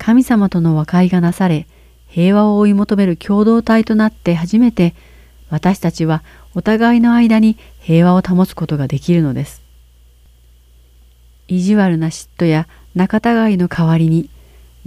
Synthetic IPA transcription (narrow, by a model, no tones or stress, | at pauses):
kʰamʲisamat̪o̞no̞βakaiɡanasaɾe̞ | he̞ːβao̞ːimo̞t̪o̞me̞ɾɯ̟kʲʰo̞ːd̪o̞ːt̪ait̪o̞nat̪ːe̞ɦaʑime̞t̪e̞ | βat̪aɕi̥t̪at͡ɕiβa | o̞t̪aɡaino̞aid̪aɲ̟i | he̞ːβao̞t̪amo̞sɨ̥ko̞t̪o̞ɡad̪e̞kʲiɾɯ̟no̞d̪e̞sɨ̥ | iʑiβaɾɯ̟naɕi̥t̪ːo̞ja | nakat̪aɡaino̞kʰaβaɾʲiɲ̟i